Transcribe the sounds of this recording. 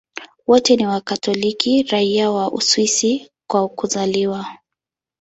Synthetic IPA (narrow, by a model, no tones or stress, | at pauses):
wɔtɛniwakatɔlikiɾaiawaʔṵswisi | kwaukuzaliwa